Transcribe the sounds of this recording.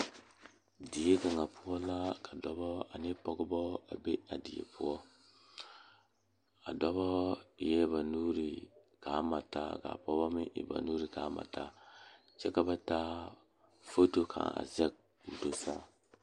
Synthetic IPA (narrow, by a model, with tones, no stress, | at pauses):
di˨je˦ka˨ŋa˨pu˦ɔ˦la˦kʰa˨dɔ˦bɔ˦a˨ni˦po˦ɡbɔ˦a̰˨be˦a˨di˨jḛ˨pu˦ɔ˦ | a˨dɔ˦bɔ˦˨je˦βa˨nu˦ɾi˨ | ka˨˦ma˨ta̰˦ɡa̰˨po˦ba˦mi˦ʔḭ˨ba̰˨nu˦ɾi˨ka˨˦ma̰˨ta˨ | t͡ʃe˦ka˦ba˦ta˦ | fo˦to˦kʰa̰˨ŋa̰˨ze˦k̚ | u˨do˨sa˦